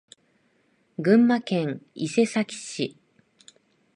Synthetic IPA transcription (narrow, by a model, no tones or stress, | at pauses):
ɡɯ̟̃mːakẽ̞ŋise̞sakʲi̥ɕi